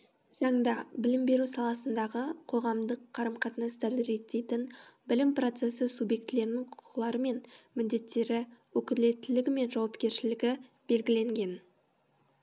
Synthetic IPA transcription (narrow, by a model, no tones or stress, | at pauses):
z̥ɑɴd̪ɑbɪlɪmbe̞ɾusɑlˠɑsənd̪ɑʁəqʰo̞ʁɑmd̪əqʰːɑɾəmqʰɑt̪nɑst̪ɑɾɾe̞t̪ːejt̪ɪnbɪlɪmpro̞t̪se̞səsubje̞kt̪ɪle̞ɾɪnɪɴqʰʊ̥qʰʊ̥qlˠɑɾəme̞nmɪd̪d̪e̞t̪ːe̞ɾɪwɵkʲɪle̞t̪ːɪlɪɡʲɪme̞nʒɑwɑpkʲe̞ɾʃɪlɪɡʲɪ | b̥e̞lɡʲɪle̞ŋɡʲe̞n